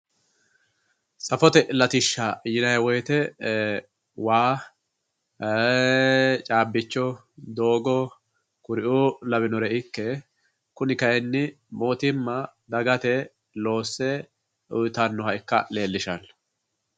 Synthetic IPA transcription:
sʼɐfɔt̪ɛʔlɐt̪ɪʃːajɪnɐjwɔjt̪ɛ | waː | t͡ʃʼaːbːɪt͡ʃːɔ | d̪o̞ːɡɔ | kʊɾɪʔulɐβɪnɔɾɛɪkːɛ | kʊnɪkɐjɛnːɪ | mo̞ːt̪ɪmːɐd̪ɐɡɐt̪ɛ | lo̞ːsːɛ | ʔʊjt̪ɐnːɔhɐɪkːɐ̰le̞ːlːɪʃɐn

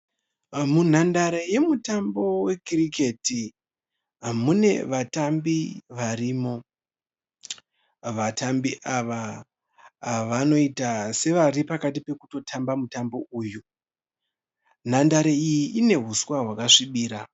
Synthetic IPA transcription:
mun̤andaɾe̞je̞mutambo̞we̞kirike̞ti | amune̞ʋatambiʋariːmo̞ | ʋatambiʔaʋa | ʋano̞itase̞ʋaripakatipe̞kuto̞tʰambamutambo̞uːju | n̤andaɾe̞ijiʔine̞ɦuswaɦwakaʂiɓiːɾa

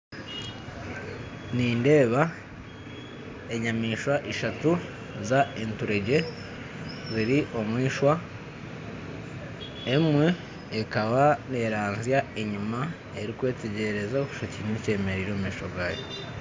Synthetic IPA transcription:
niːnde̞ːβa | e̞ɲamiːʃwaʔiʃatu | zaentuɾeɟe̞ | ziɾiʔo̞mwiːʃwa | emwe̞ː | kaβane̞ːɾaːnzjaeɲuma | e̞ɾikwe̞ːte̞ɟe̞ɾe̞zaoku̥ʃociinice̞ːme̞ɾiɾoːmwiːʃoɡaːjo

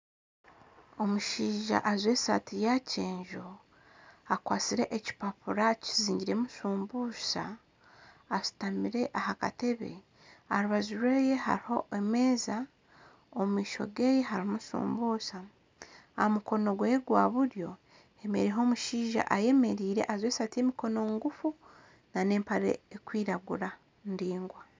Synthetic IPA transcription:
omuʃiːʒa̰ʔazwe̞ːsa̰tijaceːɲʒo̞ | akwaːt͡siɾe̞ʔeci̥papuɾaci̥ziːɲɟiɾe̞musuːmbuːsa̰ː | si̥tamiɾe̞ʔahaka̰te̞βe̞̰ | aɾuβazuɾweːje̞ha̰ɾiho̞eme̞ːza | omwiːʃo̞̰ɡe̞ːje̞ɦaɾimusṵːmbuːsa | amuko̞no̞ɡwe̞ːɡwa̰βuɾjo̞ | e̞me̞̰ɾieɦo̞ːmuʃiːʒa̰ʔaje̞me̞ɾiːɾe̞̰ʔazweːsate̞ːmiko̞no̞ŋɡufu | nane̞ːmpaɾḛekwiːɾaɡuɾa | ndiːŋɡwa

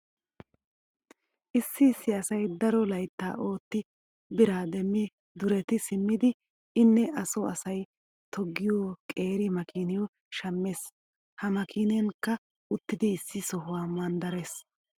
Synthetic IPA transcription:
ʔɪsːɪːsːɪɐsɐjd̪ɐɾɔlɐjt̪ːa̰ːʔo̞ːt̪ːɪ | bɪɾaːd̪ɛmːɪ | d̪ʊɾɛt̪ɪsɪmːɪd̪ɪ | ɪnːɛʔɐsɔɐsɐj | t̪ʰɔɡːɪjoːkʼe̞ːɾɪmɐkʰiːnɪjɔ | ʃɐmːe̞ːs | hɐmɐkiːnenkːɐ | ʊt̪ːɪd̪ɪːsːɪsɔɦʊwaːmɐnd̪ɐɾe̞s

